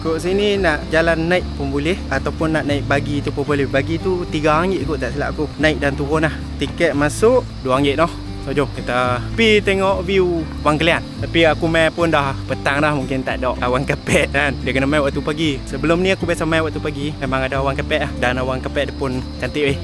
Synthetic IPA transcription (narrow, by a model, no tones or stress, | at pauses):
kuʔsininaʔd͡ʒalanːaiʔ̪̚pəmbulɛhat̪awpʊnːaʔnaiʔ̚baɡit̪upəmbulɛhbaɡit̪ut̪iɡaːŋɪʔ̪̚kuʔt̪aʔsila̰ʔakunaɪk̚dant̪uɣʊnah | t̪ikɛʔ̪̚masʊʔ | duwaaŋɪʔ̪̚nɔh | sod͡ʒɔŋkit̪əpit̪eŋɔʔviu | waŋkəliant̪apiakumapʊndahpət̪aŋlahmuŋkɪnt̪a̰ʔdɔʔawaŋkapɛʔnandiakənamajwaʔt̪upaɡisəbəlomnĩakubasamajwaʔt̪upaɡimemaŋadaawaŋkapɛʔahdanawaŋkapɛʔdəpʊnkant̪iʔeh